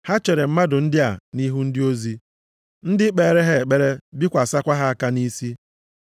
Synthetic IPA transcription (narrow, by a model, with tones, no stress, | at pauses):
ha˦t͡ʃe˨ɾe˨m̩˦ma˦dʊ˨n̩˦dɪ˦a˨ni˦ɦu˦n̩˦dɪ˦o˦zi˦ | n̩˦dɪ˦k͡pe˨ɾe˦ɦe˦˨k͡pe˦ɾe˦bi˦kʷa˨sa˦kʷa˦ɦa˦a˦ka˦ni˦si˦